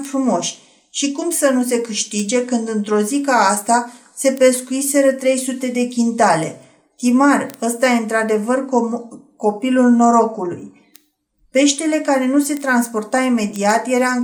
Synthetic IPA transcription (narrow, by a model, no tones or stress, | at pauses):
fɾumo̞ʃʲ | ʃikumsənus̬e̞kɨʃt̪id͡ʒe̞kɨnd̪ɨnt̪ɾo̞zikaːst̪a | se̞pe̞skuise̞ɾət̪ɾe̞jsut̪e̞d̪e̞kʲint̪ale̞ | t̪imarəst̪ajeɨnt̪ɾad̪e̞vərkko̞pilulno̞ɾo̞kulṵj | pe̞ʃt̪ele̞kaɾe̞nuse̞t̪ɾanspo̞rt̪aime̞d̪iat̪je̞ɾa